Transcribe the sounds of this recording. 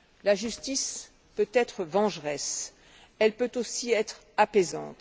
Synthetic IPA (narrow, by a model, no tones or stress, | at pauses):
laʒyst̪is | pøt̪ɛt̪χəvɑ̃ʒʁɛs | ɛlpøt̪osiɛt̪χ | apezɑ̰̃t̪